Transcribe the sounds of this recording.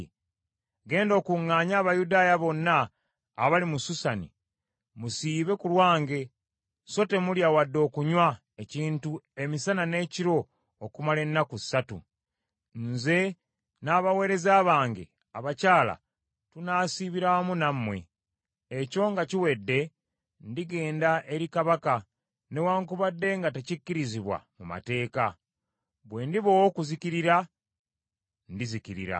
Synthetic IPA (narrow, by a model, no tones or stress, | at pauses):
ɡe̞ːndo̞ːkuŋːaːɲaːβajudaːjaβo̞nːaː | βalimususanḭ | musiːβe̞kulwaːŋɡe̞ | so̞te̞muljawadːo̞ːkuɲwa | eciːntue̞misanane̞ːciɾo̞ː | kumale̞nːakusatṵ | nze̞ | naːβawe̞ːɾe̞zaːβaːŋɡḛ | aβacaːla̰ | tunaːsiβiɾamunamːwe̞ | eco̞ŋɡaciwe̞dːe̞ | ndiɡe̞ːndaʔe̞ɾikaβaka | ne̞waːŋkuβadːe̞ŋɡatecikːiɾiziβwa̰muma̰te̞ːka | βwe̞ːndiβo̞wokuziciɾiɾa | ndizikiɾḭɾa̰